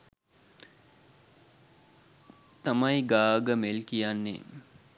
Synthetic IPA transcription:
t̪amajɡaːɡəmelkijanːḛ

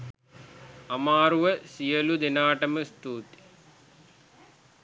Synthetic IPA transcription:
amaːɾuʋəsijəlud̪enaːʈəməst̪uːt̪i̥

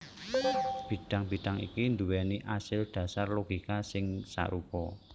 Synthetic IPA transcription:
b̥i̤d̥a̤ŋb̥iɖ̪̥a̤ŋḭkind̪uwɛniʔasɪlɖ̥ä̤sarloɡ̥ikasɪŋsa̰ɾupɔ

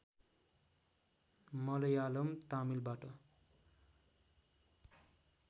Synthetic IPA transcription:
mʌlʌjalʌmt̪amilbaʈʌ

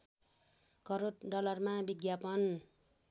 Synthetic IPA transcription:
kʌɾoɖʌlʌrmabiɡjapʌn

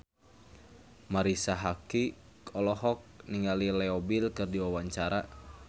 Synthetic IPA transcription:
maɾisaɦaki | kʰɔlɔɦɔk̚niŋalilɛɔbilkɨrdiwawaɲt͡ʃaɾa

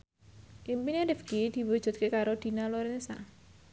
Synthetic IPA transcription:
ʔimpinelɪfkid̪̥i̤wod̥ʒ̥ɔ̤t̪̚kekaɾod̪̥i̤naloɾɛnsa̰

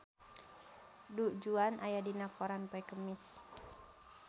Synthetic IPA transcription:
dud͡ʒuanʔajadinakɔɾanpɔɛkəmis

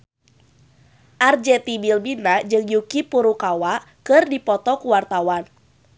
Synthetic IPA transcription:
ʔard͡ʒɛt̪ibilbinad͡ʒɨŋjukipuɾukawaʔ | kɨrdipɔt̪ɔkuwart̪awan

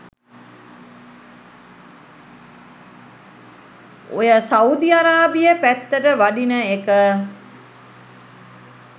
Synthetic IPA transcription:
ojəsaud̪iaɾaːbijəpæt̪ːəʈəʋaɖinəekə

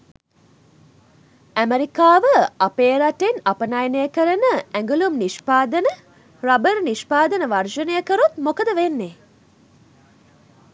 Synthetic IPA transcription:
æmeɾikaːʋəapeːɾaʈenapənajnejəkəɾənəæŋɡulumniʃpaːd̪ənə | rabəɾniʃpaːd̪ənəʋarʃənəjəkəɾut̪mokəd̪əʋenːe

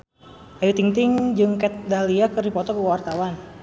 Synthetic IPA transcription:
ʔajut̪iŋt̪ɪŋd͡ʒɨŋkɛt̪̚daliakɨrdipɔt̪ɔkəwart̪awan

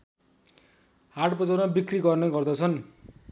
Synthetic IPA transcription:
haʈbʌd͡zʌrmabikriɡʌrnʌɡʌrd̪ʌt͡sʰʌn

